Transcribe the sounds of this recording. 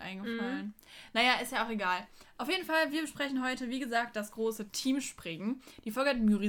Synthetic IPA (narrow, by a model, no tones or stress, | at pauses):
ʔa̰ɪnɡəfalən | najaːɪstjaːaʊxeɡaːlʔaʊfjeːdn̩falviːɐbəʃpʁ̥ɛçn̩ɦɔʏtəviːɡəzaːk̚t̚d̥asɡ̥ʁoːsətʰiːmʃpʁ̥ɪŋd̥iːfɔlɡəhatmyʁi